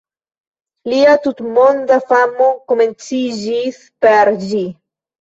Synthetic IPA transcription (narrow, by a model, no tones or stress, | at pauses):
liat̪ut̪mond̪afamokoment͡sid͡ʒis | peɾd͡ʒi